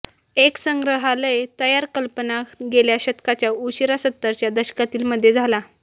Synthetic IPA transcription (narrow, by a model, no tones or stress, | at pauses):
eksəŋɡɾəɦaləjt̪əjaɾkəlpənakɡeljaɕət̪kat͡ɕjauɕiɾasət̪ːəɾt͡ɕjad̪əɕkat̪iːlməd̪ʱːjed͡zʱala